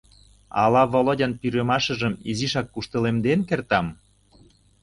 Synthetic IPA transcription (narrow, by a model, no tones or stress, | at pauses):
ɑ̰lɑβolodʲənpyɾømɑʃə̆ʒəmiziʃɑkːuʃt̪ə̆lemd̪enkert̪ɑm